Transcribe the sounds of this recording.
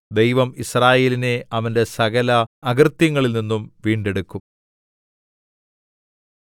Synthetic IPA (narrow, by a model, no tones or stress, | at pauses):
d̪ejʋɐmisraːje̞ːline̞ɐʋɐnde̞sɐɣɐlɐːɣrt̪jɐŋːɐɭilninːumʋiːɳɖe̞ɽukːum